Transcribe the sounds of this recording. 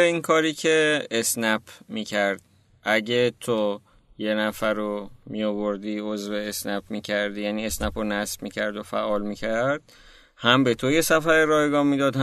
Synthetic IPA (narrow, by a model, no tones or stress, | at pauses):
eiːŋkʰɒːɾiːcʰeːsnæpʰmiːcʰæɾd̪̥̚ | ʔæɟet̪ʰo | je̞næfæɾomijovoɾd̪iozveːsnæpmiːcʰæɾd̪ijæniːe̞snæponæsb̥micʰæɾd̪ofæ̰ʔɒːlmiːcʰæɾd̪̥̚ | hæmbe̞t̪ʰoje̞sæfæɾeɾɒːjɡɒːnmid̪ɒːd̪h